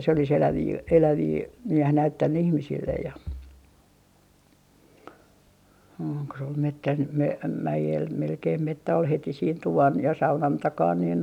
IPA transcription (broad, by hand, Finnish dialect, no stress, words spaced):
se olis elæʋiː elæʋiː næh næytːænːy ihmisilːej jɑ oːŋ ko se ol metːæn m mæjel melkeim metːæ ol heti siːn tuʋɑn jɑ sɑunɑn tɑkɑːn niːn